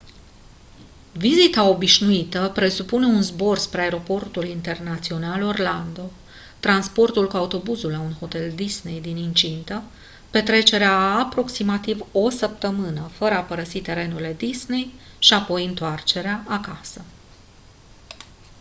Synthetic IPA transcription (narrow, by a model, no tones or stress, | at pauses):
vizit̪ao̞biʃnuit̪əpɾe̞supune̞unzbo̞rspɾeaeɾo̞po̞rt̪ulint̪e̞rnat̪sio̞nalo̞rland̪o̞ | t̪ɾanspo̞rt̪ulkuaut̪o̞buzulːaunho̞t̪e̞ld̪isne̞jd̪inint͡ʃint̪ə | pe̞t̪ɾe̞t͡ʃe̞ɾeaːpɾo̞ksimat̪ivo̞səp̚t̪əmɨnəfəɾəapəɾəsit̪e̞ɾe̞nuile̞d̪isne̞jʃiapo̞jɨnt̪oart͡ʃe̞ɾeaakasə